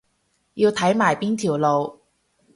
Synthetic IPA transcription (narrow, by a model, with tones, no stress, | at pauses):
ji˧wt̪ʰɐ˨˥jmaː˨˩jpiː˥nt̪ʰiː˨˩wlo˨˧w